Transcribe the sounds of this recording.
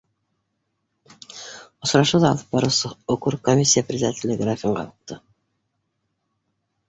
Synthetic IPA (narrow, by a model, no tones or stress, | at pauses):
ŏsɾɑʃud̪ɑːlˠə̥p̚bɑɾuwsɤokuɾkomʲisʲːijapɾʲɪzʲɪd̪at̪ʲɪlʲɪɡɪɾafʲiɴʁɑ̰uq̚t̪ʰɤ